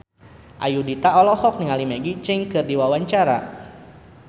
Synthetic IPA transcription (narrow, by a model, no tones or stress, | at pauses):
ʔa̰judit̪aɔlɔhɔk̚niŋalimeɡit͡ʃɛŋkɨrdiwawaɲt͡ʃaɾa̰